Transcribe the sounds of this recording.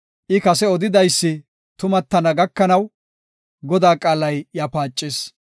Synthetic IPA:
ʔɪkɐsɛɔd̪ɪd̪ɐjsːɪ | t̪ʊmɐt̪ːɐnɐɡɐkːɐnɐw | ɡɔd̪aːkʼaːlɐjjapaːt͡ʃʼːɪs

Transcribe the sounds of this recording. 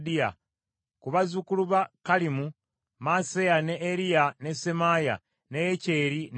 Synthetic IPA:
dija̰ | kuβazukuluβakalimu | masejaneʔːɾijane̞semaja̰ | nejece̞ːɾin

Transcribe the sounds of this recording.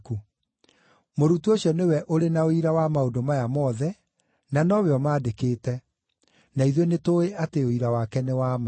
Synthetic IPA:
ku | moɾutuoɕjɔnewɛʔoɾenaoiɾawamaodomajamɔðɛ | nanɔβeɔmaːdekeːtɛ | naiðwenetoeʔateoiɾawakɛnewama

